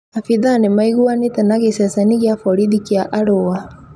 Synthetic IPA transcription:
afiðanemaiɣuanetɛnaɣesɛsɛniɣjafɔɾiðikjaʔaɾoa

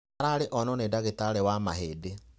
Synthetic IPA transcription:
aɾaɾeʔɔnɔnedaɣetaɾɛwamaɦeːde

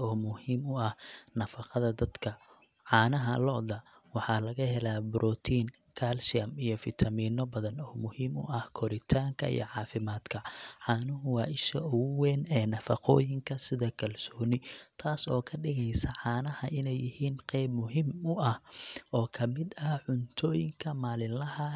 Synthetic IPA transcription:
ɔːmʊhiːmʊɐhnɐfɑqɐðɐd̪ɐd̪kʰɐ | ʕɑːnɐɦɐ̰lɔʔðɐ | wɑħɑːlɐɣɐɦɛlabɾɔːt̪ʰiːn | kʰaːlʃɪɐmijɞfɪt̪ʰɐmiːnɔbɐðɐnɔːmʊhiːmʊ̰ʔɐhkʰɔɾɪt̪ʰaːŋkʰɐ̰ḭjɔ̰ʕɑːfɪmaːd̪kʰɐʕɑːnʊɦʊwɑːʔɪʃɐʔʊɣʊwɛːnɛːnɐfɐqɔ̰ːjɪŋkʰɐsɪðɐkʰɐlsɔːnɪt̪ʰaːsɔːkʰɐɖɪɣɛjsɐʕɑːnɐhɐʔɪnɛjːɪhiːnqɛjbmʊɦimʊʔɐhʔɔːkʰɐmɪd̪ɐʕʊnt̪ʰɔːjɪŋkʰɐmaːlɪnlɐhɐ

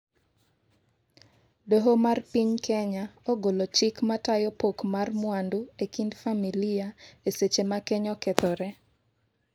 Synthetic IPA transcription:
doɦomarpiɲkʰɛɲaoɡolot͡ʃɪkmatajɔpokmarmwanduekindfamiliaeset͡ʃemakeɲɔkɛt̪ɔɾɛ

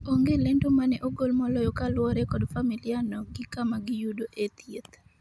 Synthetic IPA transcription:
oŋɡelentomanɛʔoɡolmɔlɔjɔkalwɔɾɛkɔdfamilianɔɡɪkamaɡɪjudoʔet̪jet̪

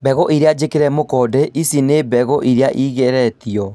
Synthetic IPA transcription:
bɛɣɔʔiɾead͡ʒekeɾɛmokɔdɛʔisinebɛɣɔʔiɾeaʔiɣɛɾɛt̪iɔ

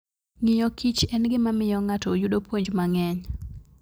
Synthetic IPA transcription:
ŋɪjɔkit͡ʃɛnɡɪmamɪjɔŋatɔjuɗopwoɲd͡ʒmaŋɛɲ

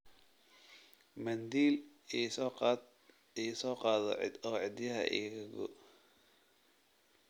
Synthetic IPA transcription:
mɐnd̪iːl | isɔq̪ː | isɔːqɑːðɔɔːʕɪd̪jɐɦɐ̰ʔḭːɣɐɡɔ̰

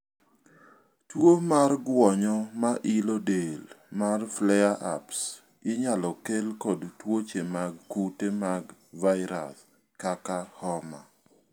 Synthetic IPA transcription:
twomarɡwɔɲɔmaʔilɔdelmarflɛjaʔa̰ps | ɪɲalɔkelkɔdtwot͡ʃemaɡ̚kutemaɡvaɪɾa̰s | kakahɔma̰

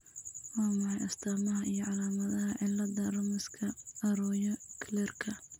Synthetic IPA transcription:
wɑːmɐħɑjʔɐst̪ʰaːmɐɦɐʔijɔʕɑlaːmɐðɐɦɐʕɪlːɐdɐrɐmɪskʰɐɐɾɔːjɔkʰlɛrkʰɐ

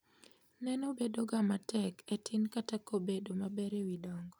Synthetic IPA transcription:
nɛnobedoɡamatɛkɛtʰinkatakobedomabɛɾewidɔŋɡɔ

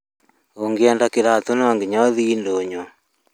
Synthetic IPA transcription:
oŋɡɛːndakeɾat̪onɔːŋɡeɲɔðiːndoɲo

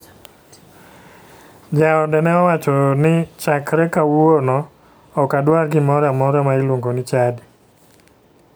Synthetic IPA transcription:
d͡ʒaɔdɛnɛɔwat͡ʃɔnɪt͡ʃakɾɛkawonɔ | ɔkadwaɾɡɪmɔɾamɔɾamaɪlwoŋɡonɪt͡ʃad

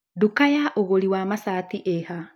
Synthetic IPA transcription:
dukajaʔoɣoɾiwamasaːtiʔeha

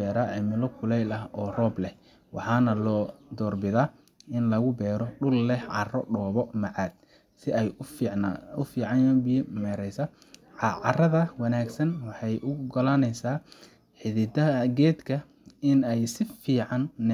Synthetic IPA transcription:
ɛːɾaːʕɪmɪlɔkʰʊlɛjlɐhɔːrɔːblɛh | wɑ̰ħɑːnɐlɔːd̪ɔːrbɪðaː | ɪnlɐɣʊbɛːɾɔɖʊlːɛhʕɑrɔɖɔːβɔmɐʕɑːd̪̥̚ | sɪɛj | ʊfiːʕɑnɐbimɛːɾɛjsɐ | ʕɑʕɑrɐðɐwɑnaːɡsɐnwɑħɑjʔʊɡɐlanɛjsaː | ħɪðɪd̪ɐɐɡɛːd̪kʰɐ | ɪnɛjsɪfiːʕɑnː

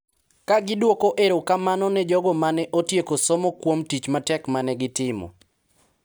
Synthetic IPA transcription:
kaɡɪdwokoʔeɾokamanɔnɛd͡ʒɔɡɔmanɛʔotjekosɔmɔkwomtit͡ʃmatɛkmanɛɡɪtɪmɔ̰

